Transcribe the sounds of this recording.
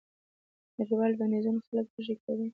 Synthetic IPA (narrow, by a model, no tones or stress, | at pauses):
naɾiwɑlb̪anizunaxaləkwəʒekawi